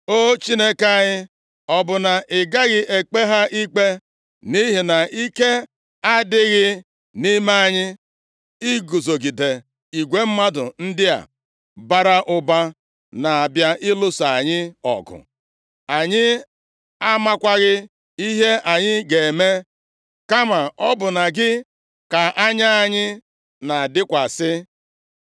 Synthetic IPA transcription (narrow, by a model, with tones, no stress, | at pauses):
o˦t͡ʃi˦ne˦ka˦ɲɪ˦ | ɔ˨bʊ˨na˨ʔɪ˨ɡa˦ɣɪ˦ʔe˨k͡pe˦ɦa˦ʔi˦k͡pe˦ | ni˦ɦi˨na˨i˦ke˦ | a˦dɪ˦ɣɪ˦ | ni˦ma˦a˨ɲɪ˦ | i˦ɡu˨zo˨ɡi˨de˨ | i˨ɡʷe˦m̩˦ma˦dʊ̰˨n̩˦dɪ˦a̰˨ | ba˦ɾa˦ʔʊ˦ba˦ | na˨a˨bja˦ʔɪ˦lʊ˦sa˨a˨ɲɪ˦ɔ̰˨ɡʊ̰˨ | a˨ɲɪ˦ | a˦ma˦kʷa˦ɣɪ˦ | i˦ɦe˦ʔa˨ɲɪ˦ɡe˨me˦ | ka˦ma˨ʔɔ˦bʊ˨na˨ɡɪ˦ | ka˨ʔa˦ɲa˦a˨ɲɪ˦ | na˨a˨dɪ˦kʷa˨sɪ˦